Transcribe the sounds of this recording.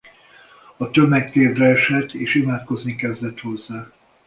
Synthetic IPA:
ɒt̪ømɛkt̪eːd̪rɛɛʃɛt̪ʰːeːʃimaːt̪ko̞znikɛzd̪ɛt̪ho̞zːaː

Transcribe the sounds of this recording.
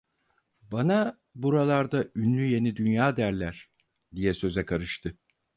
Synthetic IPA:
bana | buɾalˠaɾd̪aynlʲyje̞nid̪ynjaːd̪æɾlʲæɾ̥ | d̪ijɛsø̞zɛkʰaɾɯʃt̪ʰɯ

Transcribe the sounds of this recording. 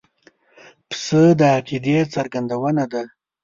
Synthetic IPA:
psəd̪əaqid̪esaɾɡand̪awənad̪a

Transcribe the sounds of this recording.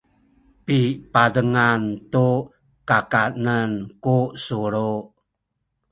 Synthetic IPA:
pipadəŋant̪u | kakanənkusuɾu

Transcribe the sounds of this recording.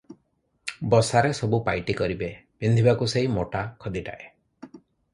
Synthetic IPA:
bɔsaɾesɔbupajʈikɔɾibebind̪ʱibakuseimoʈakʰɔd̪iʈa̰ʔe

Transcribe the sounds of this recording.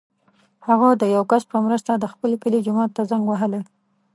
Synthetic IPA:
haɣad̪əjawkaspəmɾəst̪ad̪əxpəlekəled͡ʒʊmɑt̪ːazaŋɡwaɦəle

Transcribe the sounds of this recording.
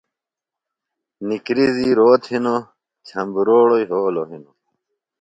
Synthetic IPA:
nikɾiziɾoːt̪hino | t͡ɕʰɐmbɾoːɽoiɦoːloɦino

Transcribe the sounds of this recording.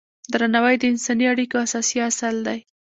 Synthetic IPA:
d̪ɾanawajd̪əɪnsɑniaɽikoasɑsiasald̪aj

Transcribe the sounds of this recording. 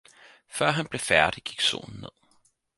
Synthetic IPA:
fɶɐ̰ɦænb̥le̝fæɐd̥iɡ̥iɡ̥so̰ːnn̩ːe̝ð̰ˠ

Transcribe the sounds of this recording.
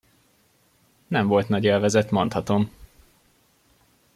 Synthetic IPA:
nɛɱvo̞lt̪nɒɟeːlvɛzɛt̪mo̞nt̪hɒt̪o̞m

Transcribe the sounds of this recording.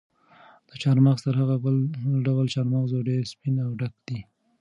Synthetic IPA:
d̪̥ət͡ʃɑɾmaxst̪əɾɦaɣabəlɖawəlt͡ʃɑɾmaxzoɖeɾspinawɖakd̪i

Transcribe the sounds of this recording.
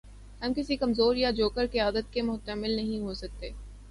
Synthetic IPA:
ɦɐmkɪsikɐmzoːɾjad͡ʒoːkəɾkijaːd̪ət̪̚kemʊɦt̪əmɪlnɐɦĩɦosɐk̚t̪eː

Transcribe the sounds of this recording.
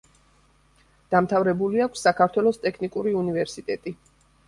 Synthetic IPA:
d̪̥amt̪ʰavɾɛbuliakʷʰsːakʰaɾt̪ʰwɛlˠɔst̪ʼɛkʰnikʼuɾiunivɛɾsit̪ʼɛt̪ʼi

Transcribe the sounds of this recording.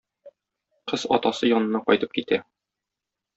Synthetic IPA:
qɤz̥ɒ̰t̪ɑsɤjɒnɤ̆nɑqɒjt̪ɤp̚kit̪æ

